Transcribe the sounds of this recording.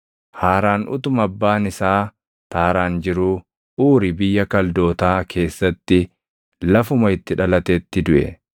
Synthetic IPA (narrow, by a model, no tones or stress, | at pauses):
haːɾaːnʔʊ̰t̪ʊmɐbːaːnɪsaː | t̪aːɾaːnd͡ʒɪɾuː | uːɾɪbɪjːɐkɐld̪o̞ːt̪aːkʰe̞ːsːɐt̪ːɪ | lɐfʊmɐɪt̪ːɪᶑɐlɐt̪eːt̪ːɪd̪ʊʔɛ̰